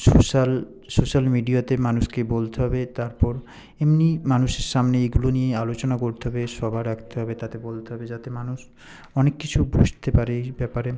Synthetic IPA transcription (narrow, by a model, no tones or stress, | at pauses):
soʃal | soʃalmiɖiat̪emanuʃkebolt̪eɦɔbet̪aɾpɔɾ | emnimanuʃeɾʃamneeɡulonijealot͡ɕonakoɾt̪eɦɔbeʃɔbʱaɾakʰt̪eɦɔbet̪at̪ebolt̪eɦɔbed͡ʑat̪emanuʃ | ɔnekːit͡ɕʰubʱud͡ʑt̪epaɾebɛpaɾe